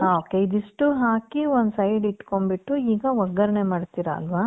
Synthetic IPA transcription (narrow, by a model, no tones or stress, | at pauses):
oːkeid̪iʂʈuɦaːkiond̪usɐjɖiʈko̞mbiʈːuiːɡɐʋɐɡɐɾɐɳemaːɖt̪iːɾɐɐ̰lʋaː